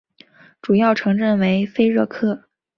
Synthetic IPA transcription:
ʈ͡ʂu˨˩jɑ˥˩ʊʈ͡ʂʰɤ˧˥ŋɻə˥˩nwe˧˥ɪfe˥ɪɻɤ˥˧kʰɤ˥˩

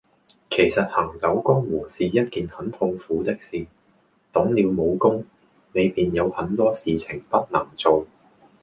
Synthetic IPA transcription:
kʰe˨˩jsɐ˨t̚hɐ˨˩ŋt͡sɐ˨˥wkɔː˥ŋwuː˨˩siː˨jɐ˥t̚kiː˨nhɐ˨˥nt̪ʰʊ˧ŋfuː˨˥t̪ɪ˥k̚siː˨ | t̪ɔ˨˥ŋliː˨˧wmo˨˧wkʊ˥ŋ | ne˨˧jpiː˨njɐ˨˧whɐ˨˥nt̪ɔː˥siː˨t͡sʰɪ˨˩ŋpɐ˥t̚nɐ˨˩ŋt͡so˨w

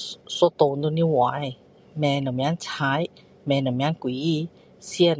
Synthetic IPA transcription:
so˧t̪o˧˨ndo˧ni˧˥˨wa˨˦j | mɛ˧na˨˩˨mja˧˥˦nt͡ɕʰa˧˦˥j | mɛ˧na˨˩˨mja˧˥nkwi˨˦ | si˧˦ə˨n

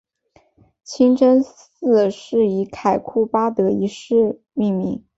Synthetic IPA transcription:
t͡ɕʰi˥ŋʈ͡ʂə˥nsɹ̩˥˩ʂɻ̩˥˩i˧˥kʰa˨˩ɪkʰu˥˩pa˥t̪ɤ˧˥i˧˥ʂɻ̩˥˧ | mi˥˩ŋmḭ˧˥˦ŋ

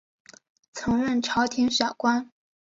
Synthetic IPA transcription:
t͡sʰɤ˧˥ŋɻə˥˩nʈ͡ʂʰɑ˧˥ʊt̪ʰi˧˥ŋʂɑ˨˩kwa˥n

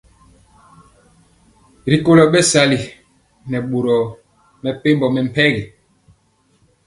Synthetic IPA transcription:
ɾi˨ko˦˨lɔ˨ɓɛ˦sa˦li˨ | nɛ˨ɓo˨ɾɔ˨ | mɛ˨pe˦mbɔ˨mɛ˨m̩˨pɛ˦ɣɛ˨

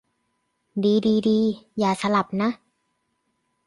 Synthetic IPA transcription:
diː˧diː˧diː˧jaː˨˩sʰa˧la˨˩p̚na˦˥ʔ

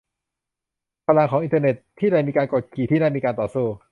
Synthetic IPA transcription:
pʰaː˧la˧ŋkʰɔː˩˦ʔi˧nt̪ʰə˧ne˨˩t̪ʰːiː˥˩ɾa˧˩jmiː˧kaː˧nko˨˩t̪̚kʰiː˨˩t̪ʰiː˥˩naː˥˩miː˧kaː˧nt̪ɔː˨˩suː˥˩

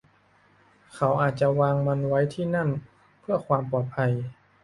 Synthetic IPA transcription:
kʰa˩˦wʔaː˨˩t̪̚t͡ɕa˨˩waː˧ŋma˧nwa˦˥jt̪ʰiː˥˩na˥˩n | pʰɯ˥˩əkʰwaː˧mpɔː˨˩t̪̚pʰa˧j

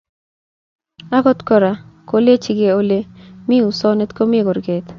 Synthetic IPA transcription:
a˦ɡɔ˦t̪kɔ˦ɾa˨ko˦le˦t͡ʃi˨ɡe˨o˦le˦mi˦u˨sɔ˦ne˦t̪ko˦mi˦˨ɡo˨ɾɡe˨t̪

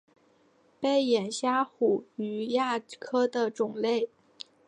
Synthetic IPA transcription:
pe˥˩ɪjɛ˨˩nɕja˥xu˨˩y˨˩ja˥˩kʰɤ˥d̪ə˨ʈ͡ʂʊ˨˩ŋle˥˩ɪ

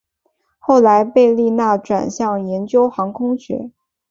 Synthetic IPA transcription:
xo˥˩ʊla˧˥ɪpe˥˧ɪli˥˧na˥˩ʈ͡ʂwa̰˨˩nɕjɑ˥˩ŋjɛ˧˥nt͡ɕjo˥ʊxɑ˧˥ŋkʰʊ˥ŋɕɥɛ̰˧˥

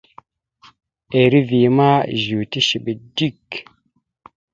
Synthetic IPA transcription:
e˨ɾi˦vi˨ma˦˨ʒu˨ti˦ʃi˨ɓi˨di˦˨k

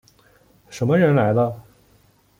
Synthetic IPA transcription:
ʂə˧˥mə˧ɻə˧˥nla˧˥ɪd̪ə˧

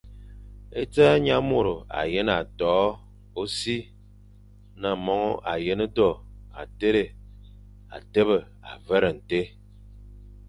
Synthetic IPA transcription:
e˦t͡saː˦ɲa˦mo˨ɾo˨a̰˨je˦na˨tɔː˨˦ | o˦si˦ | na˨mɔ˦ŋɔ˦ʔa˨je˦nə˦dɔ˦˨a̰˨te˦ɾe˨ | a̰˨te˦βə˨ | a̰˨və˦ɾə˨n̩˨te˦

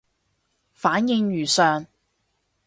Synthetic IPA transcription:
faː˨˥njɪ˧ŋɥyː˨˩sœː˨ŋ

